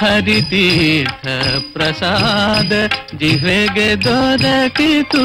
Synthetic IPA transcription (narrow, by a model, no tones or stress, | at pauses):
ɐɾit̪it̪ʰɐpɾɐsad̪ɐd͡ʒiʋeːɡed̪oːd̪ɐkit̪u